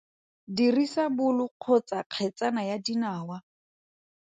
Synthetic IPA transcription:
dirisabʊlʊq͡χʰɔt͡saq͡χʰɛt͡sʼanajadinaːwa

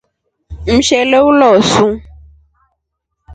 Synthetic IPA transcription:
m̩ʃɛlewulɔsũ

